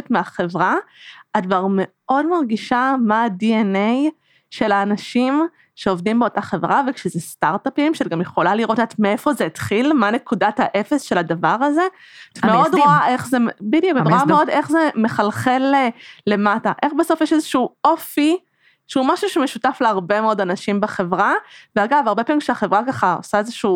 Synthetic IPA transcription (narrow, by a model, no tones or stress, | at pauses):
etmeaχe̞vʁaadvaʁme̞ | o̞dmaʁɡiʃamaːdienej | ʃe̞laːnaʃim | ʃeo̞vdimbeo̞taχe̞vʁavekʃezestaʁtapimʃetɡamjeχo̞laliʁo̞tatmee̞fo̞zeitχilmane̞kudathaʔe̞fe̞sʃe̞ladavaʁaze̞ | meod̪ʁoaʔe̞χzembidjukʁoameo̞de̞χzeme̞χalχelle̞mataʔe̞χbeso̞fjeʃezeʃuuo̞fi | ʃeumaʃuʃemeʃutafleaʁbe̞meo̞danaʃimbeχe̞vʁaveaɡavaʁbe̞pamikʃeaχevʁakaχao̰saezeʃuː